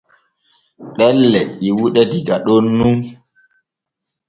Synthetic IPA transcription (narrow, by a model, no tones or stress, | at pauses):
ɗɛlːɛiwuɗɛdiɡaɗonːu